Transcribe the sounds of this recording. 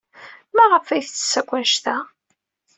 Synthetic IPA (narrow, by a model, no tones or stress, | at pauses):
mæʁəfæjθθsːækʷːæʃt̪æ